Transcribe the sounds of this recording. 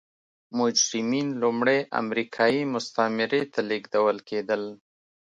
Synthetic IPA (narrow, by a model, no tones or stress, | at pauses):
mʊd͡ʒɾɪminlʊmɽeʔa̰mɾikʰɑjimʊst̪amɪɾet̪ʰaleɡd̪awəlkʰed̪əl